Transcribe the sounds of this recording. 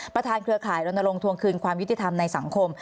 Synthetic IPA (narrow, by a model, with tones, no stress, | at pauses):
ppɾa˧t̪ʰaː˧nkʰɾɯ˧əkʰaː˨˩˦jɾo˧na˧ɾo˧ŋt̪ʰu˧əŋkʰɯː˧nkʰwaː˧mju˥t̪ʰːi˧t̪ʰa˧mna˧jsa˩˦ŋkʰo˧m